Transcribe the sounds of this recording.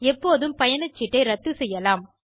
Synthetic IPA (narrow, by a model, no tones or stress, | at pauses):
ɛpːoːðɯmpɐjɐnɐt͡ʃːɪʈːɐɪɾɐt̪ːɯsɛjːɐlaːm